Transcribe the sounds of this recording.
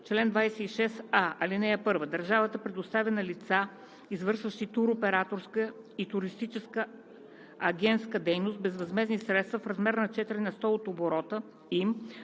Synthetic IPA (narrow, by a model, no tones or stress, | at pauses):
t͡ʃlɛnd̪vajsɛiʃɛsaɐlinɛɛpɤɾvəd̪ɐɾʒavət̪əpɾɛd̪ʊst̪avɛnɐlit̪sa | izvɤɾʃvəʃt̪it̪uɾopɛɾat̪oɾskə | it̪uɾist̪it͡ʃɛskə | ɐɡʲɛnt̪skəd̪ɛjnost̪̚bɛzvɐzmɛznisɾɛt̪st̪vəfɾɐzmɛɾnɐt͡ʃɛt̪iɾinɐst̪ɔot̪oboɾɔt̪ə | im